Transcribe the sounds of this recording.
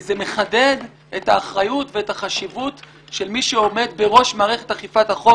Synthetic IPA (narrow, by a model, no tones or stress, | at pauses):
zeme̞χade̞d̪ | ʔetaːχʁajutveetaχaʃivut | ʃe̞lmiʃeo̞me̞d̪be̞ʁo̞ʃmaːʁeχethaχifathaχo